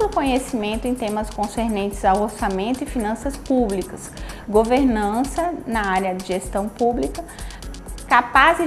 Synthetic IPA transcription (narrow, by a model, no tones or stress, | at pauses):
lʊkõɲesimẽnt̪ʊẽj̃t̪ẽmɐskõseɾnẽnt͡ʃ̪ɪzawoɾsamẽnt̪ʊɪfinɐ̃sɐspublikɐsɡoveɾnɐ̃sɐnɐaɾjɐd͡ʒɪʒest̪ɐ̃w̃publikɐ | kapazɪ